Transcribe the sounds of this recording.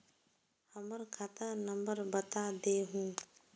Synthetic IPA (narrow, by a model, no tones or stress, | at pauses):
həməɾkʰat̪anəmbəɾbət̪ad̪eːɦũː